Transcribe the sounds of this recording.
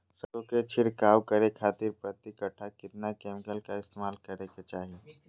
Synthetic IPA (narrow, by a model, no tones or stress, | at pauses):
səbõket͡ʃʰɪɽkaːwkəɾekʰaːt̪ɪɾpɾət̪ikəʈʰːakɪt̪nakeːmɪkəlkaɪst̪eːmaːlkɐɾeket͡ʃaːɦie